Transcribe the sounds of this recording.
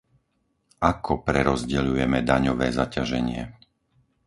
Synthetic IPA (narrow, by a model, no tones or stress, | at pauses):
akʰɔpɾɛɾɔzɟɛʎujɛmɛd̪aɲɔʋɛːzacaʒɛɲɪɛ̰